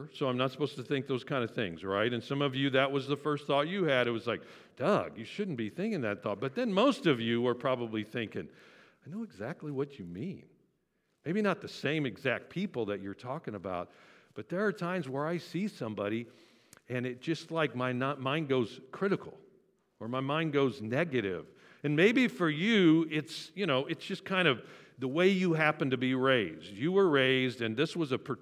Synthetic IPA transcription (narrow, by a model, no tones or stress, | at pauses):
soʊãɪ̃mnətsə̥poʊstʰɨθɪ̃ŋk̚ðoʊz̥kʰãɪ̃ndɨθɪ̰̃ŋzɹaɪɾɨ̃nsʌ̃mʌvjɨðɨt̚wʌzðəfɜ˞st̪̚θɔt͡ʃɨɨɾɨt̚wʌzlaɪk̚ | d̥ʌɡjɨʃʊdⁿn̩b̥iθɪ̃ŋkɪ̃ŋðɨt̪̚θɔt̚b̥ʌt̪̚ðɨ̃nmoʊstʌvjɨwə˞pʰɹ̥ɑbəbliθɪ̃ŋkɪ̰̃ŋ | aɪnoʊɨɡzæk̚tˡliwʌt͡ʃɨmĩn | meɪbinət̪̚ðɨsẽɪ̃mɨɡzæk̚t̚pʰipl̩ˠðɨt͡ʃə˞tʰɔkɪ̃ŋəbaʊt̚b̥ʌt̪̚ðə˞ːtʰãɪ̃mzwə˞aɪsisʌ̃mbɑɾi | ɨ̃nɨt̚d̥ʒ̥ʌstˡlaɪk̚maɪnamãɪ̃nɡoʊz̥kʰɹ̥ɪɾɨkʰl̩ˠ | ə˞maɪmãɪ̃nɡoʊznɛɡɨɾɪ̰v | ɨ̃nmeɪbifə˞jɨɪtsjɨñoʊʔɨtsd̥ʒ̥ʌskʰãɪ̃ndʌvðəweɪjɨɦæpɨ̃n̩tɨbiɹeɪzjɨwə˞ɹeɪzdɨ̃nðɪswʌzɨpʰə˞